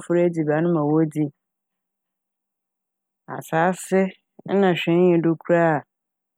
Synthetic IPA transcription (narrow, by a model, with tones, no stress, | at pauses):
fʊ˦ɾe˦di˨ba˨˦nʊ̃˦mã˨wo˦di˦ | a̰˨saː˨˦sɪ˦ | n̩˦nã˨ɕᶣɛ̃˦n˦jɛ̃˨dʊ˦kʰu˦ɾa˦˨